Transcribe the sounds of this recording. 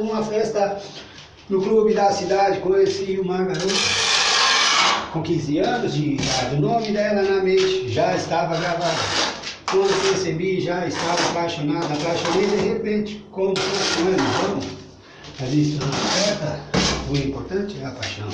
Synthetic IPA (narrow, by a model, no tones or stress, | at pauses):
ũmɐfɛst̪ɐ | nʊklubɪd̪ɐsid̪ad͡ʒɪkõɲesiʊmaɾɡaɾot̪ | kõkĩzɪɐ̃nʊzd͡ʒɪɡaɾʊnõmɪd̪ɛlɐnɐmẽt͡ʃɪ̥ʒaɪst̪avɐɡɾavad̪ɐ̰ | kwɐ̃nd̪ʊpesebiʒaɪst̪avɐapajʃonad̪ʊapajʃõned̪ehepẽnt͡ʃɪ̥kõmʊfõskõẽnʊvɐ̃mʊ | mɐzist̪ʊũmafɛst̪ɐuĩmpoɾt̪ɐ̃t͡ʃɪɛapajʃɐ̰̃w̃